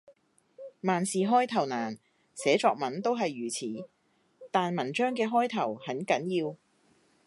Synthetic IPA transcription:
maː˨nsiː˨ɦɔː˥jt̪ʰɐ˨˩wnaː˨˩n | sɛː˨˥t͡ʃɔː˧k̚mɐ˨˥nt̪o˥wɦɐ˨jːyː˨˩t͡sʰiː˨˥ | t̪aː˨nmɐ˨˩nt͡ʃœː˥ŋkɛː˧ɦɔː˥jt̪ʰɐ˨˩whɐ˨˥nkɐ˨˥njiː˧w

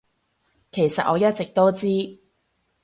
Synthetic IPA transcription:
kʰe˨˩jsɐ˨t̚ʔɔː˨˧jɐ˥t̚t͡sɪ˨k̚t̪o˥wt͡siː˥

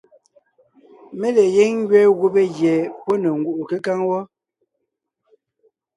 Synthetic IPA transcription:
me˦le˨je˦ŋŋ˦ɡɥɛ˦ɣo˦be˦ɣjɛ˨pɔ˦ne˨ŋ̩ɡu˦˨ʔu˨ke˦ka˦ŋwɔ˦

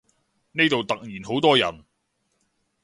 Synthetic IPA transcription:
ne˥jt̪o˨wt̪ɐ˨k̚jiː˨˩nɦo˨˥wt̪ɔː˥jɐ̰˨˩n

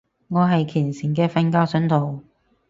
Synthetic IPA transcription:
ŋɔː˨˧ɦɐ˨jkʰiː˨˩nsi˨˩nkɛː˧fɐ˧nkaː˥wsɵ˨˥nt̪ʰo˨˩w

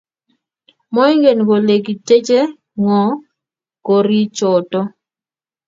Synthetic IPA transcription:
mɔ˦i˦ŋɡe˨nɡo˨le˨ɡi˨te˦d͡ʒe˦ | ŋɔ˨ | ko˨ɾi˦t͡ʃɔ˨tɔ˦

